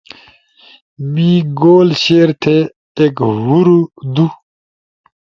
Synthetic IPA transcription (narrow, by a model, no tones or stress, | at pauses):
mĩːɡoːlɕeːɾt̪ʰeː | kɦuɾud̪u